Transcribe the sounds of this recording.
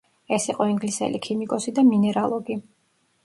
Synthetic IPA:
ɛsiqʼɔiŋɡlisɛ̰lḭkʰimikʼɔsid̪aminɛɾalˠɔɡi

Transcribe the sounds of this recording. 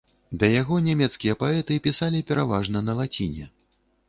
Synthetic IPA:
d̪ɐjaɣɔnʲamʲɛt̪skʲijɐpaɛt̪ɨpʲisalʲipʲɛɾavaʐnɐnɐlˠat͡sʲinʲɛ

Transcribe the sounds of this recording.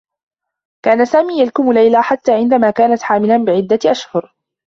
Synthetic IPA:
kaːnasaːmiːjalkʊmʊlajlaħat̪ːaːʕɪnd̪amaːkaːnat̪ħaːmɪlanbɪʕɪd̪ːaʔaʃhʊɾ

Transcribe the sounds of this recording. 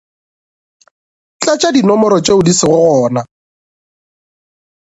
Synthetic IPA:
t͡ɬʼat͡ʃʼadinɔmɔɾɔt͡ʃʼeʊdisɪɣʊɔːna

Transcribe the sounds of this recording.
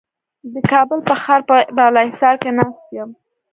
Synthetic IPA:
d̪əkɑbəlpəxaɾpəbɑlɑɪsɑɾkenɑst̪̚jəm

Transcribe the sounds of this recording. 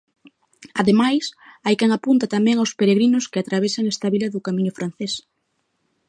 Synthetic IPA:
aðemajsajkɛŋapunt̪at̪amɛ̃ŋawspeɾeɣɾinʊskɪat̪ɾaβesaŋest̪aβilɐðʊkamĩɲʊfɾʔan̟θes

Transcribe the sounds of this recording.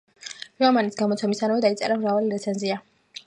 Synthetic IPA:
iamanisɡamɔt̪sʰɛmisanavɛd̪ait̪sʼɛ̰ɾamɾavaliɾɛt̪sʰɛnzia

